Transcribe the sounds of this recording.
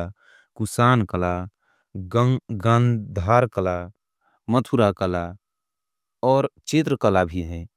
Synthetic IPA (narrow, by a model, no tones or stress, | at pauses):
kusaːnkəla | ɡə̃nd̪ʱaɾkəla | mət̪ʰuɾakəla | ɔːɾt͡ʃɪt̪ɾəkəlabʱiɦɛ̃ː